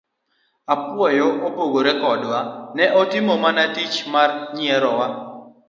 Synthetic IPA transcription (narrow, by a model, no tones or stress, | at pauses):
apwɔjoʔopoɡoɾɛkɔdwanɛʔɔtɪmomanatit͡ʃmarɲɛɾɔwa